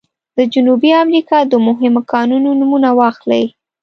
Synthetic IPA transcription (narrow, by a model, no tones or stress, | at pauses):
d̪̥əd͡ʒunubiamɾikɑd̪əmʊɦɪmokɑnunonumunawɑxla̰j